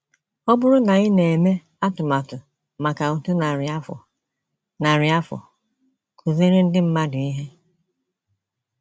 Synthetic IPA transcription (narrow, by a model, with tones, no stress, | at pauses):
ɔ˦bʊ˦ɾʊ˦na˨ɪ˦ne˨e˨me˦ | a˦tʊ˨ma˨tʊ˨ | ma˨ka˨u˨tu˦na˨ɾf | na˨ɾɪ˨a˦fɔ̰˨ | kʰu˨ze˦ɾe˦n̩˦dɪ˦m̩˦ma˦dʊ˨i˦ɦe˦